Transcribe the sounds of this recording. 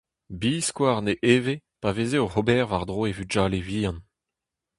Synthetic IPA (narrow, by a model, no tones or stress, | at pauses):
biːskwaːʁneʔeːvepaveːzeoʁobɛːʁvaʁd̪ʁoːevyʒaːleviːɑ̃n